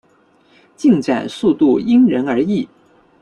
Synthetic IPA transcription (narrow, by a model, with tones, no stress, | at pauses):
t͡ɕi˥˩ŋʈ͡ʂa̰˨˩nsu˥˧t̪u˥˩i˥ŋɻə˧˥nə˞˧˥i˥˩